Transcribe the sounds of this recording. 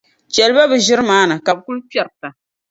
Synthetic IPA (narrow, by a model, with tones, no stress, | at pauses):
t͡ʃɛ˨lɨ˦ba˦bɨ˨ʒɪ˦ɾɨ˦maː˦na˨ka˨bku˦lpɛ˨ɾta˨